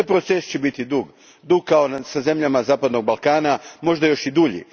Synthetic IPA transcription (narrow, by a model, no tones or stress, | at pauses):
t̪ajpɾo̞t̪sest͡ɕebit̪id̪uɡ | d̪uɡ̚kao̞saze̞mʎamazaːpad̪no̞ɡ̚balˠkaːnamo̞ʒd̪ajo̞ʃid̪uʎḭ